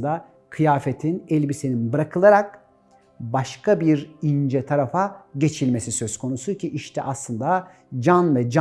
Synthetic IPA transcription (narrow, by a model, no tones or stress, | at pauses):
d̪a | kʰɯjaːfet̪ʰinɛlʲbiseninbɯɾakʰɯlˠaɾak̚ | baʃkʰabiɾind͡ʒɛt̪ʰaɾafaɟe̞t͡ʃʰilʲme̞sisø̞z̥kʰo̞nusucʰiʔiʃt̪ʰɛ̰ʔaslˠɯnd̪a | d͡ʒanvɛd͡ʒ